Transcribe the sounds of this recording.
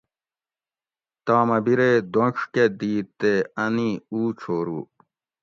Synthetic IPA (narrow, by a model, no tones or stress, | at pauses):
t̪aːmɐbiɾeːd̪oʂked̪iːt̪eɐniuːt͡ɕʰoːɾṵː